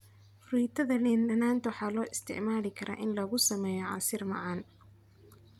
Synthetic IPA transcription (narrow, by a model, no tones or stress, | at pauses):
friːt̪ʰɐðɐliːnɗɐnaːnt̪ʰwɑħɑːlɔːʔɪst̪ʰɪ̰ʕmaːlɪkʰɐɾa̰ːʔɪnlɐɣʊsɐmɛːjɔʕɑ̰sɪrmɑ̰ʕɑːn